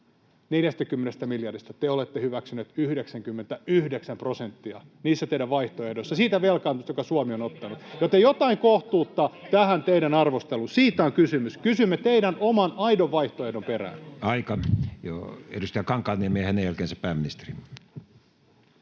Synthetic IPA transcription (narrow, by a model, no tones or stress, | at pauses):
neljæst̪ækymːenest̪æmiljɑrist̪ɑt̪eolet̪ːehyʋæksyneːt̪yhdeksæŋkymːent̪æyhdeksæmprosent̪ːiɑniːsːæt̪eidæʋʋɑiht̪oehdoisːɑsiːt̪æʋelkɑnt̪ust̪jokɑsuɑmionot̪ːɑnut̪jot̪ːejot̪ɑiŋkoht̪uːt̪ːɑt̪æhænt̪eiɾænɑrʋost̪elunsiːt̪æoŋkysymyskysymːet̪eidænomɑnɑidoʋʋɑiht̪oehdomperæ̰ːnɑikɑjo̰ḛdust̪ijɑkɑŋkːˑɑːniemeæhænejælkeːnsæpæːmːinist̪eri